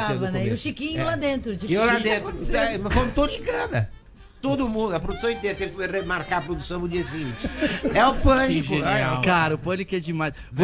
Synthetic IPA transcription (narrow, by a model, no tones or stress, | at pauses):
avɐnɛɪʊʃikĩɲʊlad̪ẽnt̪ɾʊt͡ʃilad̪ẽnt̪ɾʊpmefõt̪od̪ĩɡɐ̃nɐ | t̪od̪ʊmũnd̪ʊɐpɾod̪usɐ̃w̃ẽt̪eɾɐt̪ẽj̃kɪeɾemaɾkaɾɐpɾod̪usɐ̃w̃d̪ʊd͡ʒiɐsiɡĩt͡ʃɪɛʊpɐ̃ñĩʒeniawkaɾɐʊpɐ̃nikɛd͡ʒɪmajs | vo